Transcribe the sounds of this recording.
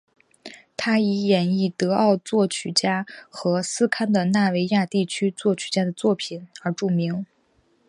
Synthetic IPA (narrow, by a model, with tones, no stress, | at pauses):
t̪ʰa˥i˧˥jɛ˨˩ni˥˩t̪ɤ˧˥ɑ˥˧ʊt͡swɔ˥˩t͡ɕʰy˨˩t͡ɕja˥xɤ˧˥sɹ̩˥kʰa˥nd̪ə˨na˥˩we˧˥ɪja˥˧t̪i˥˩t͡ɕʰy˥t͡swɔ˥˩t͡ɕʰy˨˩t͡ɕja˥d̪ə˨t͡swɔ˥˩pʰi˨˩˦nə˞˧˥ʈ͡ʂu˥˩mi˧˥ŋ